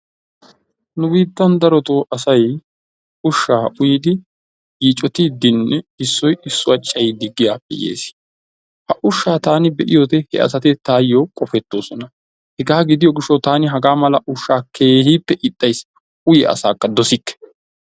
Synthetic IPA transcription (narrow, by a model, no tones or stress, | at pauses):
nʊbiːt̪ːɐnd̪ɐɾɔt̪oːʔɐsɐj | ʊʃːaːʊjid̪ɪ | jiːt͡ʃʼɔt̪ɪd̪ɪnːɛɪsːɔjɪsːʊɐt͡ʃʼːɐjɪd̪ɪɡːɪjaːpːɛ̰jḛːs | hɐʔʊʃːaːt̪aːnɪbɛʔɪjoːt̪ɛhɛ̰ʔɐ̰sɐt̪ɪt̪aːjokʼɔfɛt̪ːo̞ːsɔnɐ | hɛɡaːɡɪd̪ɪjɔɡɪʃːot̪aːnɪɦɐɡaːmɐlɐʔʊʃːaːkʰe̞ːhiːpːɛʔɪt̪ʼːɐjs | ʊjɛɐ̰saːkːɐd̪ɔsɪkːɛ̥